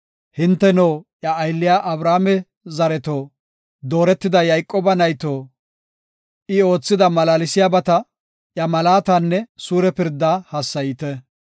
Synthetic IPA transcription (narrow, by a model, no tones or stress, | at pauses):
hɪnt̪ːɛnowʔjɐːjlːɪjaʔɐbɾaːmɛ | zɐɾɛt̪oː | d̪o̞ːɾɛt̪ːɪd̪ɐjɐjkʼːɔbɐnɐjt̪oː | ɪo̞ːt͡sːɪd̪ɐmɐlaːlɪsɪjaːbɐt̪ɐ | ʔjɐmɐlaːt̪ɐnːɛsuːɾɛpɪɾd̪ːaːhɐsːɐjɪt̪ɛ